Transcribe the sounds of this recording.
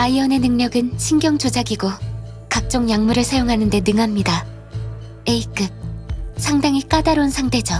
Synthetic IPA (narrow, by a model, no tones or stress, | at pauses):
aiʌne̞nɯŋɲʌɡɯnɕʰinɡʲjʌŋt͡ɕod͡ʑaɡiɡo | kak̚t͡ɕ͈oŋjaŋmuɾɯɭsʰajoŋɦanɯnde̞nɯŋɦamɲida | eik͈ɯp̚sʰaŋdaŋik͈adaɾonsʰaŋtʰe̞d͡ʑʌ